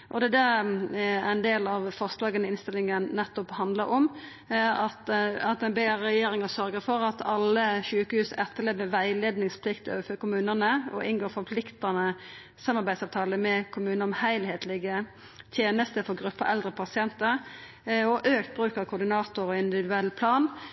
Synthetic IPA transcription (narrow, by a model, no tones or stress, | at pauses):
ʔɔd̪ɛd̪æ | æ̰ɾɛnd̪eːlɑʋfɔʁslɑːɡənəɪnst̪ɪlːɪŋənːɛt̪ːɔphɑnd̪ləɾɔm | ɑt̪ɑt̪ɛnbeːɾɛjeːɾɪŋəsœɾɡəɾfɔɾɑt̪ɑlːəɕʉːkəhʉːsɛt̪ʰːəleːʋəʋæɪleːd̪nɪŋspʰlɪkt̪ʰøːəfœkʊmʉːnənəɔ̰ʔɪnɡoːɾfɔɾpʰlɪkt̪ɑnə | sɑmːɑɾbæɪd̪sɑʋt̪ʰɑːləmɛkʰʊmʉːnəɔmhæɪlheːt̪lɪɡə | t̪ʰjeːnəst̪əfɔɾɡɾʉpːəɾʔɛld̪ʁəpʰɑsɪɛnt̪əʁ | ɔʔøːkt̪̚bɾʉːkɑʋkʰʊd̪ɪnɑːt̪ʊɾɔɪnd̪ɪʋɪd̪ʉɛlːpʰlɑːn